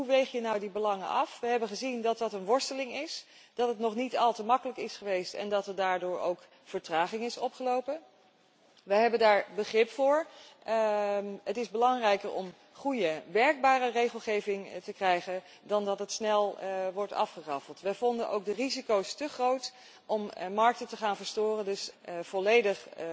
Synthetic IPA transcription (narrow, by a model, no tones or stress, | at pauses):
ɦuʋejχjənɑwdibəlɑŋənɑfʋəɦɛbənχəzindɑt̚dɑtənʋɔɹstəlɪŋɪs | d̥ɑtətnɔχnitɑlˠtəmɑkələkɪsχəʋejstɛ̰ndɑtəɹdaːɹdʊːɹo̰wk | fəɹtraːχɪŋɪsɔpχəlowpən | ʋəɦɛbəndaːɹbəχrɪpfʊːɹ | ətɪzbəlɑŋrɛjkəɹɔ̰m | χujəʋɛɹɡ̚baːrərejχəlˠχejvɪŋtəkrɛjχən | dɑndɑtətsnɛlˠʋɔɹtɑ̰fχərɑfəlˠtʋɛjvɔndənʔo̰wk̚dərizikowstəχrowt | ʔɔmmɑɹk̚tətəχaːnvəɹstʊːrəndɵsv̥ɔlejdəχ